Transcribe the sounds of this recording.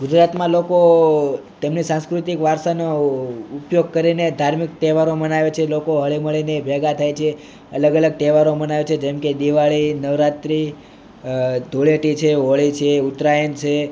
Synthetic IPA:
ɡud͡ʒɾat̪mãloko | t̪emnisãnskɾut̪ikʋaɾʃanoupjoɡ̚kəɾined̪ʱaɾmik̚t̪ɛʋaɾomənaʋet͡ʃʰelokoɦəɭiməɭinebʱɛɡat̪ʰajt͡ʃʰe | ələɡələɡ̚t̪ɛʋaɾomənaʋet͡ʃʰed͡ʒɛmked̪iʋaɭinəʋɾat̪ɾi | d̪ʱoɭeʈit͡ʃʰeoɭit͡ʃʰeut̪ɾajənt͡ʃʰe

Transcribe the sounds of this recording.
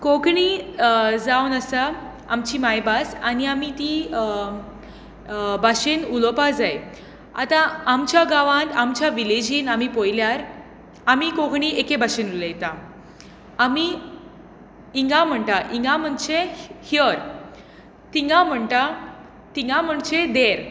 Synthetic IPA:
kokɳi | d͡zawnəsa | a̰mt͡ɕiːmajbasaniamit̪i | baɕenulopad͡zaj | a̰t̪ãamt͡ɕjaɡaʋãt̪amt͡ɕjaʋiled͡ʑiːnamipojljaɾ | amikoɡɳiʔekebaɕenulejt̪ã | ami | iŋɡãm̤əɳʈaʔiŋɡãm̤əɳt͡ɕehjəɾ | t̪iŋɡãm̤əɳʈa | t̪iŋɡãm̤əɳt͡ɕed̪eɾ

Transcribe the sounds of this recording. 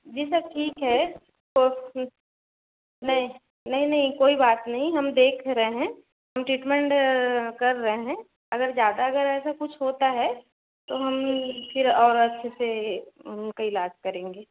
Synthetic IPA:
d͡ʒiːs̬ɐb̚ʈʰiːkɦɛ | to | nɐɦĩ | nɐɦĩnɐɦĩkoːibaːt̪nɐɦĩɦɐmd̪eːkʰɾɐɦeɦɛ̃ | ɦɐmʈɾiːʈmɛ̃ɳʈkɐɾːɐɦeɦɛ̃ | ɐɡəɾzjaːd̪aɐɡəɾɛːsakʊt͡ʃʰɦoːt̪aɦɛ | t̪oɦɐmfʰɪɾɔːɾɐtːʃʰeseʊnkaɪlaːd͡ʒkɐɾẽːŋɡeː

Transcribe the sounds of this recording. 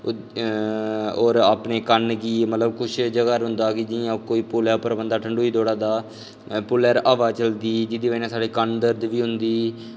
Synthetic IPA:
oːɾaːpneːkənkiːmət̪ləbkʊʃʰd͡ʒəɡaːɾɦʊ̃nd̪aːkid͡ʒɪãːkoːiːpʊlɛːpəɾəbənd̪aːʈʰəɳɖuːiːd̪oːɽaːd̪aː | pʊːlɛːɾaːʋaːt͡ʃəld̪iːd͡ʒɪd̪iːʋəinãːsaːɖeːkənd̪əɾd̪ʋiːɦʊnd̪iː

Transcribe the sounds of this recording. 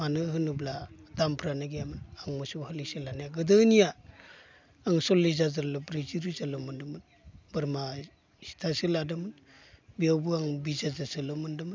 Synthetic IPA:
manɯɦɯnɯbladampʰɾanaɡijamɯnaŋmɯsuhɯlisɯlanajaɡɯdɯnija | aŋsɔlːizazaɾlɯbɾiziɾizalɯmɯndɯmɯn | bɯɾma | si̥tʰasɯladɯmɯn | biawbɯaŋbizazazɯlɯmɯndɯmɯ

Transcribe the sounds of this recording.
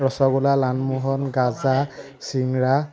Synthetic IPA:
ɹɔsɔɡulalanmuɦɔnɡaza | siŋɹa

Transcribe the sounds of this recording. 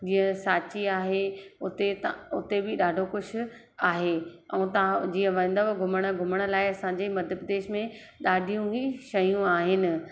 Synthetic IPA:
d͡ʑĩːə̃saːt͡ɕiaːɦeʊt̪et̪ʊt̪ebɪɗaːɖʱoxʊʃʰʊ̆ | aːɦeɛũt̪ɐãd͡ʑiːə̃ʋɐ̃nd̪obɡʱʊməɽ̃əɡʱʊməɽ̃̆laːɪɐsãɲd͡ʑeːmɐd̪ʱjəbd̪eːʃmẽ | ɗaːɖʱijũɡiʃɐjũaːɦɪnɪ̆

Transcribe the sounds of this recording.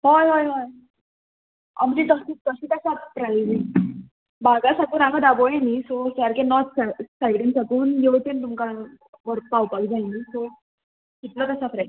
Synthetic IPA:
ɦɔjɦɔjɦɔj | a̰m̤d͡ʑit̪əsiːt̪əɕiːt̪əɕapɾalid͡zi | baɡasakuːnakʰad̪abojenisɔsaɾkenɔt̪sajɽiŋsakuːnjeʋt̪int̪umka | ʋəɾpawpakd͡zainisɔ | kiʈ̪lɔt̪əsafɾa

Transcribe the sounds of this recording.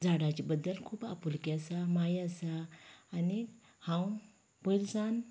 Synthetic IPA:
d͡zaɽat͡ɕibəd̪ːəlkʰuːpa̰pulkiasamajasaːni | hãw | pəjlsãn

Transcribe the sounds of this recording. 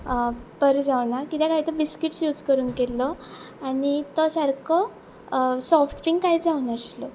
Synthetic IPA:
pəɾd͡zaʋnakit̪ɛ̃kait̪əbiskiʈsjud͡zkəɾuːnkelɔ | añit̪ɔsəɾkʰɔ | sɔfʈfiŋɡkaid͡zauːnəslɔ

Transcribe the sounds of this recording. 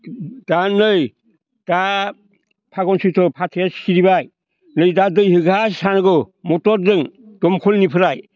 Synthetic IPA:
d̥anɯj | d̥a | pʰaɡɔnsɯtʰɔpʰatʰasiɾibaj | nɯjdadɯjhɯɡasanɡɯ | mɔtɔɾdɯŋdɔmkʰɔlnipʰɯɾaj

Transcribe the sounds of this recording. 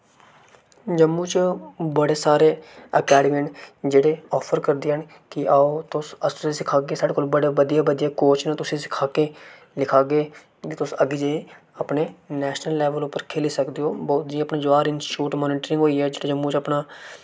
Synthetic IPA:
d͡ʒəmːut͡ʃbəɽeːsaːɾeːəkɛːɖɪmẽɳʈd͡ʒeːɽeːɔːpʰəɾkəɾd̪eːɦən | kɪʔaːot̪ʊsəst̪ʊsisɪkʰaːɡeːsaːɽeːkoːlbəɽaːʋəd̪ijaːʋəd̪ijaːkoːt͡ʃnãt̪ʊsĩːsɪ̥kʰaːkeː | lɪkʰaːɡeː | kit̪ʊsəɡed͡ʒeːe | apneːnɛːʃnəlːɛːʋəlʊpːəɾkʰeːliːsəkd̪eːoːbɔːt̪̚d͡ʒĩəpnaːd͡ʒʊʋaːɾɪnsʈɪʈuːʈmɔːniːʈɾɪ̃ŋɡɦoːiːɛːd͡ʒeːɽaːd͡ʒəmːuːt͡ʃəpnaː

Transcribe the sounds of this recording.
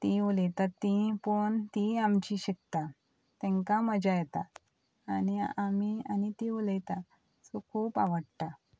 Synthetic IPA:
t̪iuləjt̪at̪ːĩpəɳt̪iamt͡ɕiɕik̚t̪a | t̪ɛ̃ŋkaməd͡ʑajɛt̪a | aniamianit̪iuləjt̪a | t͡sokʰuːpaʋəɽt̪a

